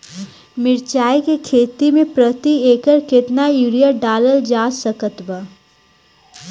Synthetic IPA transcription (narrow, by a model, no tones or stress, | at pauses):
mɪɾt͡ʃaːjkekʰeːt̪imẽpɾət̪ieːkəɾkɪt̪najuːɾijəɾɖaːləld͡ʒaːsəkət̪wba